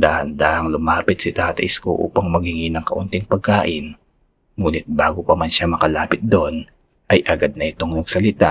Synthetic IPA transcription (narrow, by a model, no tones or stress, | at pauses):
d̪ahɐnd̪aːʔɐŋlʊmaːpɪt̪sɪt̪aːt̪ɐʔɪsko̰ʔṵːpɐŋmɐɡ̚hɪŋɪnɐŋkɐʔʊnt̪ɪŋpɐɡ̚kaːʔɪn | muːnɪt̪̚baːɡopɐmɐnʃamɐkɐlaːpɪt̪̚d̪oʔn | ʔɐjʔɐɡad̪̚nɐʔɪt̪o̞ŋnɐɡ̥̚sɐlɪt̪a